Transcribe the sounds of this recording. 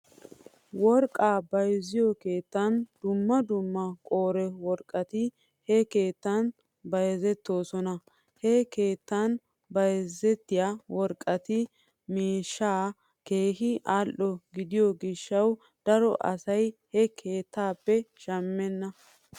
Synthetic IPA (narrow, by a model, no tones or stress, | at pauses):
wɔɾkʼːaːbɐjzɪjɔke̞ːt̪ːɐnd̪ʊmːɐd̪ʊmːɐkʼoːɾɛwɔɾkʼːɐt̪ɪ | hɛke̞ːt̪ːɐn | bɐjzɛt̪ːo̞ːsɔnɐ | hɛke̞ːt̪ːɐn | bɐjzɛt̪ːɪjawɔɾkʼːɐt̪ɪ | meːʃːaː | ke̞ːhɪʔalʔɔɡɪd̪ɪjɔɡɪʃːɐw | d̪̥ɐɾɔʔɐ̰sɐjhɛkʰe̞ːt̪ʰːaːpːɛʃɐmːɛnːɐ